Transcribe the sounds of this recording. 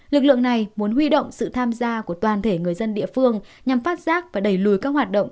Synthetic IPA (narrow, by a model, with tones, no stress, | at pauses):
lɨ˨˩k̚lɨ̰˧˨əŋna˨˩jmu˨˦ənɦwi˧ɗo̰˧˨wŋ͡msɨ̰˧˨t̪ʰaː˧mzaː˧ku˧˩ət̪waː˨˩nt̪ʰe˧˩ŋɨ˨˩əjzə˧nɗḭ˧˨əfɨ˧əŋɲa˨˩mfaː˦˥t̚z̥aː˦˥k̚vaː˨˩ɗə˧˩jlu˨˩jkaː˦˥k̚hwaː˨˩t̚ɗə̰˧˨wŋ͡m